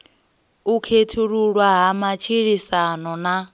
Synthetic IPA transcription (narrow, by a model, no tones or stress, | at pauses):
ukʰetʰuɺuɺwaɦamat͡ʃʰiɺisanɔna